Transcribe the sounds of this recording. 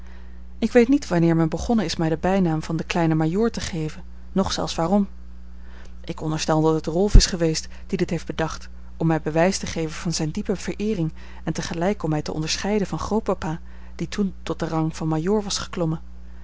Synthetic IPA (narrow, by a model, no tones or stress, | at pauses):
ɪkʋejtnitʋɑnɪːɹmɛnbəχɔnəɪsmɛjdəbɛjnaːmv̥ɑndəklɛjnəmajʊːɹtəχejvən | nɔχsɛ̰lˠfsʋaːrɔm | ʔɪkɔndəɹstɛlˠdɑtɦətrɔlˠfɪsχəʋejst | d̥idɪtɦejfd̚bədɑχt | ɔmːɛjbəʋɛjstəχejvənv̥ɑnzɛjndipəv̥əɹʔɪːrɪŋ | ɛntəχəlɛjkɔmːɛjtəʔɔ̰ndəɹsχɛjdəvɑnχrowpapaː | d̥itʰuntɔt̚dərɑŋvɑnmajʊːɹʋɑsχə̥klɔmə